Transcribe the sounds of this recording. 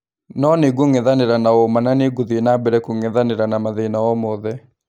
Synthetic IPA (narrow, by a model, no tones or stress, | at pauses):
nɔneɡoŋɛðaneɾanaɔmananeɡuðinabɛɾɛkoŋɛðaneɾanamaðenawɔmɔðɛ